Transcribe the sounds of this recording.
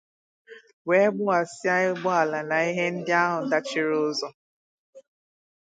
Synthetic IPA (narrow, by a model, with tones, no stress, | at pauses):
we˦ɡ͡bʊ˦a˨sɪ˦a˦ɪ˦ɡ͡bʊ˦a˨la˨na˨i˦ɦe˦n̩˦dɪ˦a˦ɦʊ˨da˦t͡ʃɪ˦ɾʊ˦zɔ˦